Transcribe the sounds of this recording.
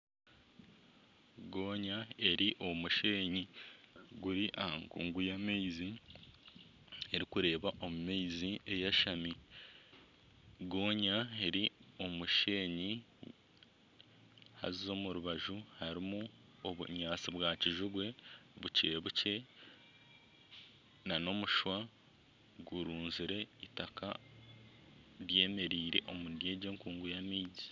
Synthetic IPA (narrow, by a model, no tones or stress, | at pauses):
ɡo̞ːɲae̞ɾiʔo̞muʃe̞ːɲi | ɡuɾiʔaaŋɡṵːŋɡujameizi | e̞ɾikuɾe̞ːβaʔo̞mumeizie̞jaʃami | ɡo̞ːɲae̞ɾio̞muʃe̞ːɲi | ha̰zizo̞muɾuβaʒuhaɾimu | oβṵɲaːt͡siβwaːciʒuɡwe̞βuceβuce̞ | nano̞muʃwa | ɡuɾuːnziɾe̞itaka | ɾje̞ːme̞ɾiːɾe̞̰ʔomundje̞ːɟeŋkuːŋɡujamiːzi̥